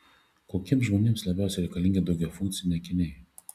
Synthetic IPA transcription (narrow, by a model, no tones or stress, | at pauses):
koːkʲiɛmsʒmoːnʲeːmslˠɐbʲæʊsʲɛɾʲɛɪkɐlʲɪŋɡʲɛd̪ɐʊɡʲɛwfʊ̃ŋk̚t̪sʲɪnʲɛkʲɪnʲɛɪ